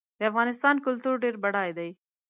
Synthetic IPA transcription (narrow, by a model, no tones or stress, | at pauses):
d̪əafɣɑːnɪst̪ɑːnkʊlt̪uɾɖeɾbaɽɑjd̪aj